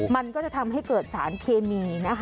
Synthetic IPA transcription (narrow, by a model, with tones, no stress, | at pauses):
ma˧nkɔː˥˩t͡ɕa˨˩t̪ʰa˧mɦa˥˩jkɤː˨˩t̪̚saː˩˦nkʰeː˧miː˧na˦˥kʰ